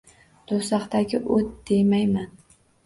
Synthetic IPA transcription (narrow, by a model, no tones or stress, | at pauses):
d̪̥osɑqt̪aɡʲɪʔot̪̚d̪̥e̞jmajman